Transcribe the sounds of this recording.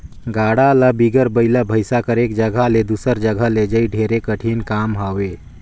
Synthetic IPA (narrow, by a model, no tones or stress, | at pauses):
ɡaɽaləbiɡəɾbəɪləbʱəɪsakəɾeːkd͡ʒəɡʱaled̪usəɾd͡ʒəɡʱəled͡ʒəiɖʱeɾekəʈʰinkaːmɦaʋe